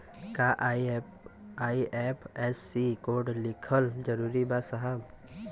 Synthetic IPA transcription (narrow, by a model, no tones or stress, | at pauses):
kaʔ | aːiɛpʰɛsːikoːɖlɪkʰəld͡ʒəɾuːɾibasəɦəb